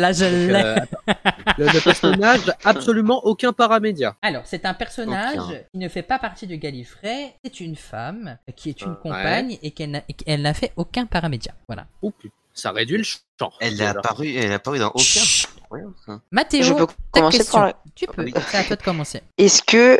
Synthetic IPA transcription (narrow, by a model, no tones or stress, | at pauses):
laʒəlːɛ | lləpɛʁsɔnaʒapsɔlymɑ̃ʔokʲɛ̃paʁamed̪ja̰alɔʁsɛt̪ɛ̃pɛʁsɔnaʒkʲinəfɛpapaʁt̪id̪əɡalifχɛsɛt̪ynfamkʲʰiɛt̪ynkɔ̃paɲekɛlnakɛlnafɛokʲɛ̃paʁamed̪ja̰vwa̰la̰upyt̪ | sa̰ʁed̪ɥiləʃ | ɑ̰̃ɛlapaʁyɛlapaʁyd̪ɑ̰̃ʔokʲɛ̃kwj̃smat̪eoʒøt̪aɔmɑ̃kɛsetɔt̪ypʰøisaat̪wad̪əkɔmɑ̃seɛskʲə